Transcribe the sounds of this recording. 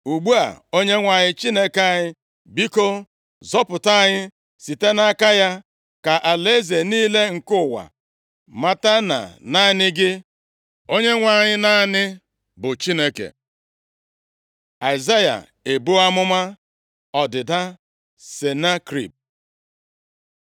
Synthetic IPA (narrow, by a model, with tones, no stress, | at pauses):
u˨ɡ͡bu˦a̰˨o˦ɲe˦ŋʷa˨ɲɪ˦t͡ʃi˦ne˦ke˨a˨ɲɪ˦ | bi˦ko˦ | zɔ˦pʊ˨ta˦˨ɲɪ˦ | si˨te˦na˦ka˦ja˦ | ka˨ʔa˨le˦ze˨niː˦le˦ŋ̩˨kʊ˦˨wa̰˨ | ma˨ta˦na̰˨na˦nɪ˦ɡɪ˦ | o˦ɲe˦ŋʷa˨ɲɪ˦na˦nɪ˦ | bʊ˨t͡ʃi˦ne˦kḛ˨ | a˨ɪ˨za˦ja̰˨ | e˨bu˦a˦mʊ˦ma˦ | ɔ˨dɪ˨da˦ | se˨na˦kɾḭ˨p̚